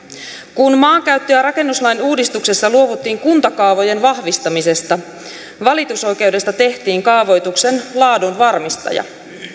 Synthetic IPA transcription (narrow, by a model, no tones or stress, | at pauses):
kunmɑːŋkæɥt̪ːiæɾɑke̞nːuslɑjnuːdist̪ukse̞sːɑluo̞ʋut̪ːiːŋkunt̪ɑkɑːʋo̞je̞nʋɑhʋist̪ɑmise̞st̪ɑ | ʋɑlit̪uso̞jk̟e̞wde̞st̪ɑt̪e̞ht̪iːŋkɑːʋo̞jt̪ukse̞nlɑːdunʋɑrmist̪ɑ̰jɑ̰